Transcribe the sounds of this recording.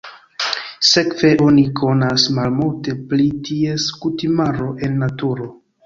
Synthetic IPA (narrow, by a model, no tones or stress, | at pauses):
se̞kve̞ʔo̞nikʰo̞nasmalmulte̞plitie̞skutimaɾo̞ʔe̞nːatuɾo̞